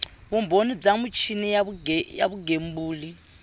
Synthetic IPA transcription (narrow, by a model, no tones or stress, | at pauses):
βumbʱonib͡ʐamut͡ʃʰinija̰βuɡembuːli